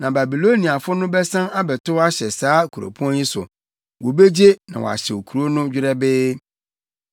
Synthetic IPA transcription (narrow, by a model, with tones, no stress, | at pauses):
nã˨ba˨bi˨lo˦nĩ˨a˨fʊ˦nʊ̃˦bɛ˦sã˦na˦bɛ˨tʊ˦wa˦ɕɛ˨saː˨˦kʰu˨ɾo̰˨pʰu˦ɔ̃˦njĩ˦sʊ̰˨ | wɔ˨be˦d͡ʑe˦nã˨wɔ̰˨a̰˨ɕɛ˨wo˨kʰu˨ɾo˦nʊ̃˦d͡ʑᶣɪ˦ɾɛ˦bɪː˦